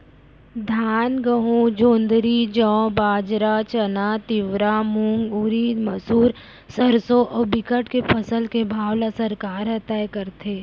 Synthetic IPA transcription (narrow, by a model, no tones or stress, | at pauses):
d̪ʱaːnɡəɦũd͡ʒõːnd̪ɾid͡ʒɔ̃ːbaːd͡ʒɾat͡ʃɐnat̪ɪʋɾamũŋɡuɾiːməsuːɾ | səɾsoʔɔːbɪkəʈkepʰɐsəlkebʱaːwlasɐɾkaːɾɦət̪aːjkəɾt̪ʰeː